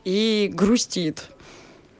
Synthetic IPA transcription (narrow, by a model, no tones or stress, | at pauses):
iɡɾusʲtʲit̪